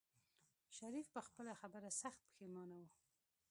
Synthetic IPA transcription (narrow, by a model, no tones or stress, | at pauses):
ʃaɾifpəxpəlaxabəɾasaxt̪̚pə̥xemɑnawu